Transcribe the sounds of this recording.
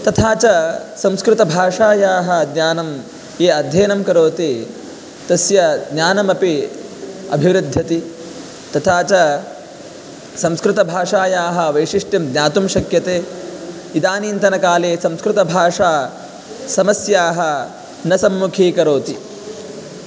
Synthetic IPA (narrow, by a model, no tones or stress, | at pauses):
t̪ɐt̪ʰaːt͡ʃɐsɐ̃mskɾɪt̪ɐbʱaːʂaːjaːɦɐ̆d̪nʲaːnɐm | jeːɐd̪ʱjeːnɐmkɐɾoːt̪i | t̪ɐsjɐd̪njaːnɐmɐpi | ɐ̰bʱiʋɾɪd̪ʱjɐt̪i | t̪ɐt̪ʰaːt͡ʃɐ | sɐ̃mskɾɪt̪ɐbʱaːʂaːjaːɦɐ̆ʋɐjʂiʂʈjɐmd̪njaːt̪umʃɐkjɐt̪eː | id̪aːniːnt̪ɐnɐkaːleːsɐ̃mskɾɪt̪ɐbʱaːʂaː | sɐmɐsjaːɦɐ | nɐsɐmːukʰiːkɐɾoːt̪i